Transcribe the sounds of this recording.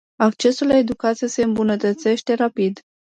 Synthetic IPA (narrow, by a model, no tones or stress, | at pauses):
akt͡ʃe̞sulae̞d̪ukat̪siese̞ɨmbunət̪ət̪se̞ʃt̪e̞ɾapid̪